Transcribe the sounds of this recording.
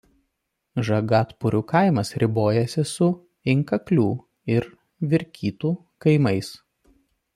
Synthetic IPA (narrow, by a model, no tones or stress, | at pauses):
ʒɐɡɑːt̪pʊɾʲuːkɐˑɪmɐsɾʲɪboːjɛsʲɪsʊ | ɪŋkɐklʲuː | ɪɾ | ʋʲɪɾʲkʲiːt̪uː | kɐɪmɐɪs